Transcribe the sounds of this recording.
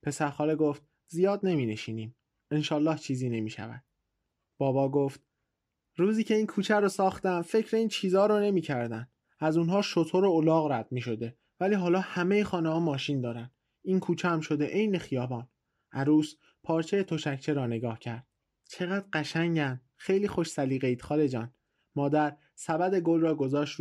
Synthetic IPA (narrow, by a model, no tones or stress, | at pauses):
pʰe̞sæɾxɒːleɡoft̪̚ | zijɒːd̪ne̞miːne̞ʃiːniːm | enʃɒːlːɒːht͡ʃʰiːziːne̞miːʃæ̰væ̰d̪̥̚ | b̥ɒːbɒːɡoft̪̚ | ɾuːziːcʰe̞iːnkʰuːt͡ʃʰæɾoːsɒːxt̪æmfe̞cʰɾe̞iːnt͡ʃʰiːzɒːɾɔːne̞miːcʰæɾd̪ænd̪ | æzunɦɒːʃot̪ʰoɾoolɒːɣɾæd̪̥̚miːʃo̞d̪e̞ | væliːɦɒːlɒːhæme̞jexɒːnehɒːmɒːʃind̪ɒːɾænd̪ | iːnkʰuːt͡ʃʰeæmʃo̞d̪eʔejne̞xijɒːbɒːn | ʔæɾuːs | pʰɒːɾt͡ʃʰe̞jet̪ʰo̞ʃæcʰt͡ʃʰeɾɒːne̞ɡɒːhcʰæɾd̪̥̚ | t͡ʃʰe̞ɣæd̪̥ɢæʃæŋɟæm | xe̞jliːxo̞ʃsæliːɣeiːd̪̥xɒːle̞d͡ʒɒːn | mɒːd̪æɾ | sæbæd̪e̞ɡolrɒːɡo̞zɒːʃt̪